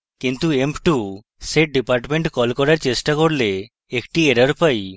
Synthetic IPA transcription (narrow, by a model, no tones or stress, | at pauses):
kint̪uempʈu | seʈ̚ɖipaɾʈmẽɳʈkɔlkɔɾaɾt͡ʃesʈakɔɽleː | kʈieɾɔɾupaj